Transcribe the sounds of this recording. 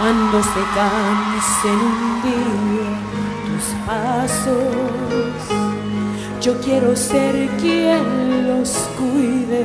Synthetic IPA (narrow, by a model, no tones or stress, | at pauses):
and̪osðekansend̪iɾo | t̪uspaso | s | d͡ʒo̞kje̞ɾo̞seɾkjenlos | kujðe